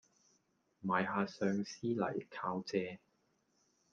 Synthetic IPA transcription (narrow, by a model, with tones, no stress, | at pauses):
maː˨jɦaː˨˧sœː˧ŋsiː˥lɐ̰˨˩jkʰaː˧wt͡sɛː˧